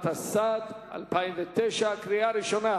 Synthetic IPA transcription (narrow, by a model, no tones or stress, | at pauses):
t̪hasad̪ | a̰lpajimvet̪eʃakɾiaɾiʃo̞na